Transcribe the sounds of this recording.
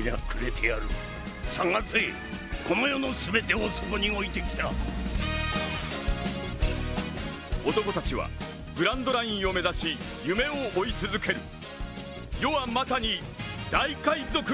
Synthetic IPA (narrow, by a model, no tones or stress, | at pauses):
inakɯɾe̞t̪ʰe̞jaɾɯ̟ | sãŋɡat͡sɨe | ko̞no̞jo̞no̞sɨbe̞t̪e̞osoko̞ɲ̟io̞it̪e̞kʲi̥t̪a | ot̪o̞ko̞t̪at͡ɕiβa̰ | bɯ̟ɾãnd̪o̞ɾaĩɰ̃o̞me̞zaɕijɯ̟me̞oːit͡sɨzɨke̞ɾɯ̟ | jo̞βamasaɲ̟i | d̪aikaizo̞k